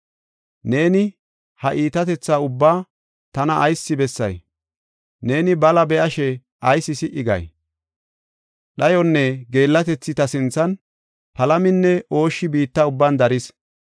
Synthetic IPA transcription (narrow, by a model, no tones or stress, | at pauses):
ne̞ːnɪ | hɐʔiːt̪ɐt̪ɛt͡sːaːʊbːaː | t̪ɐnɐʔːjsːɪbɛsːɐ̰j | ne̞ːnɪbɐlɐbɛʔɐʃɛ | ʔɐjsːɪsɪʔɪɡɐ̰j | ɗɐjɔnːɛɡe̞ːlːɐt̪ɛt͡sːɪt̪ɐsɪnt͡sːɐn | pɐlɐmɪnːɛʔo̞ːʃːɪbiːt̪ːɐʊbːɐnd̪ɐɾɪs